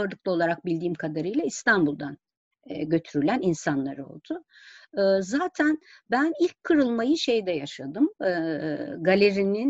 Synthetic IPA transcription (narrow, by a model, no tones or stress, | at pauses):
aɾd̪ˠɯk̚lˠɯo̞lˠaɾak̚bilʲd̪iːmkʰad̪aɾɯjlˠaist̪ʰanbulˠd̪an | ɟø̞t̪ʰyɾylʲæninsanlˠa̰ɾɯo̞̰lˠd̪̥ʊ | zaːt̪ʰæn | bænilʲckʰːɯɾɯlˠmajɯʃe̞jd̪ɛjaʃad̪ɯmɯɡalʲeɾinin